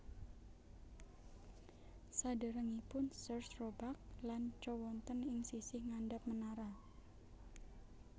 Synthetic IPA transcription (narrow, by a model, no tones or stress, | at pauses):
sadaɾəŋipʊnsərsrobak̚lant͡ʃɔwɔnt̪ənɪŋsisɪhŋandap̚mənaɾa